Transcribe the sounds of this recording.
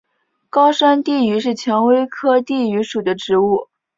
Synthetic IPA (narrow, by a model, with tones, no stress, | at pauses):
kɑ˥ʊʂa˥nt̪i˥˩y˧˥ʂɻ̩˥˩t͡ɕʰjɑ˧˥ŋwe˥ɪkʰɤ˥t̪i˥˩y˧˥ʂu˨˩d̪ə˦ʈ͡ʂɻ̩˧˥u˥˩